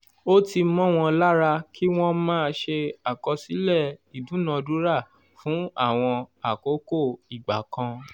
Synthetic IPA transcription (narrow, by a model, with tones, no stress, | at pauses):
o˦ti˧mɔ̃˦˨w̃ɔ̃˧la˦ɾa˧kʰi˦w̃ɔ̃˦mãː˦˧ʃe˧a˨kɔ˧si˨˦lɛ˦˨i˨dũ˨˦nã˨˧du˨˦ɾa˦˨ | fũ˨˦a˦˨w̃ɔ̃˧a˨ko˨˦ko˦˨i˨ɡ͡ba˨kã˧